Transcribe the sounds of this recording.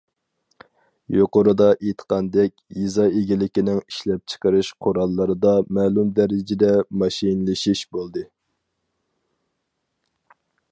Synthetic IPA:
joqoɾɨd̪ɑʔet̪ʰə̥qʰɑnd̪ɛkʲjizɑeɡʲilɪkʲinɪŋiʃlɛp̚t͡ʃʰə̥qʰəɾɨʃqʰoɾɑlˠːɨɾɨd̪ɑmæːlumd̪ɛɾɪd͡ʒɪd̪ɛmɑʃinlˠɨʃiʃbolˠd̪ɨ

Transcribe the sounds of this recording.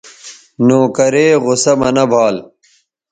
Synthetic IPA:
noːkɐɾeːɣʊsɐmɐnɐbʱaːl

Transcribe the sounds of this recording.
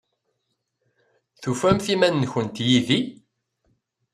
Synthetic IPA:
θufæmθimænːçənt̪jiði

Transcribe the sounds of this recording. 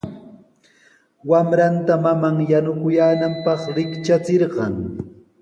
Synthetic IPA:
wamɾant̪amamaŋjanʊkʊjaːnampɑχɾɪkt͡ʃat͡seɾɢɑŋ

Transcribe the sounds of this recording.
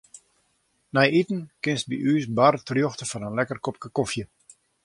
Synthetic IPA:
nɛjitən̩kɪnst̚bḭʔyːsbartrjoxtəfɔnənlɛkərkop̚kakofjə

